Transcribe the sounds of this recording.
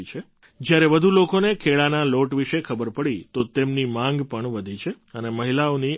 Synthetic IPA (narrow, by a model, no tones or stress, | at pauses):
it͡ʃʰe | d͡ʒjaɾeʋəd̪ʱulokonekʰeɭanaloʈʋiʃekʰəbəɾpəɭit̪ot̪emnimãŋɡpəɳʋəd̪ʱit͡ʃʰe | əneməɦilaoni